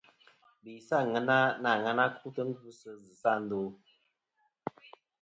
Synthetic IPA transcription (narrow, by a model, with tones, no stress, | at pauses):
bi˨sa˦˨ŋə˨na˦na˨ŋə˦na˦kʰu˦tə˦ŋ̩˦ɡu˦sə˦zɨ˨sa˦˨n̩˦do˦